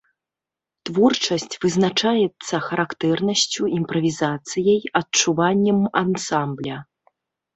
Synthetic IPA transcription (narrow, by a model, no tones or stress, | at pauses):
t̪vɔrt͡ʂɐsʲt͡sʲvɨznat͡ʂajɛt̪sːɐxɐɾakt̪ɛrnɐsʲt͡sʲuimpɾɐvʲizat̪sɨjɐjɐtt͡ʂuvanʲːɛmansamblʲɐ